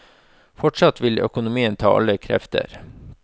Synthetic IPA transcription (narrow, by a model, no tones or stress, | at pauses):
fɔʈʂɑt̪ʋɪlœ̰kʊnʊmiːənt̪ʰɑ̰ːʔɑ̰ləkʰɾɛ̰ft̪ə̰ɾ